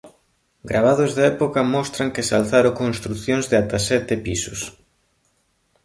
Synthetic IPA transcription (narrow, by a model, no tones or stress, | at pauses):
ɡɾaβ̞aðozðaɛpokɐmɔst̪ɾaŋkɪsalθaɾokonst̪ɾuθjõnzðeat̪asɛt̪ɪpisʊs